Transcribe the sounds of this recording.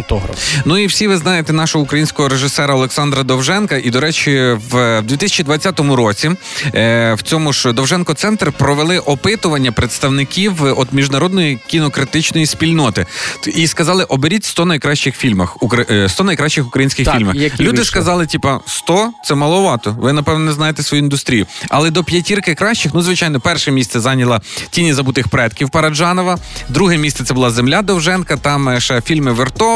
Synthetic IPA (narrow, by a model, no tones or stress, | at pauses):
t̪ɔɦɾɐ̰fnuiwsʲiʋɪznɑjet̪ɛnɑʃɔɦɔukɾɐjinʲsʲkɔɦɔɾeʒɪsɛɾɐɐlˠeksɑnd̪ɾɐd̪ɔwʒɛnkɐʔid̪ɔɾɛt͡ʃɪʋd̪ʲit̪ɪsʲɐ̥t͡ʃid̪ʋɐt͡sʲːat̪ɔmʊɾɔt͡sʲi | wt͡sʲɔmʊʒd̪ɔwʒɛnkɔt̪sɛnt̪rpɾɔʋelˠɪʔɔpɪt̪ʊʋɐnʲːɐpɾet̪st̪ɐwnɪkʲiwɔd̪mʲiʒd̪nɐɾɔd̪nɔjikʲinɔkɾɪt̪ɪt͡ʃnɔjispʲilʲnɔt̪ɪiskɐzɑlˠɪʔɔbeɾʲitʲst̪ɔnɐjkɾɑʃt͡ʃɪxfʲilʲmɐxukɐst̪ɔnɐjkɾɑʃt͡ʃɪxʊ̥kɾɐjinsʲkʲɪxfilʲmɐxlʲud̪ɪskɐzɑlˠɪtʲipɐst̪ɔt̪sɛmɐlˠɔʋɑt̪ɔʋɪnɐpɛwnɔnɛznɑjet̪ɛsʋɔjuind̪ʊst̪ɾʲijʊɐ̰lˠɛd̪ɔpʲjɐtʲirkɪkɾɑʃt͡ʃɪxnuzʋɪt͡ʃɑjnɔpɛrʃɛmʲist̪sɛzɑnʲɐlˠɐtʲinʲizɐbut̪ɪxpɾɛt̪kʲiwpɐɾɐʒɑnɔʋɐd̪ɾuɦɛmʲist̪sɛt̪sɛbʊlˠɑzemlʲad̪ɔwʒɛnkɐt̪ɑmʃɛfʲilʲmɪʋɪrt̪ɔ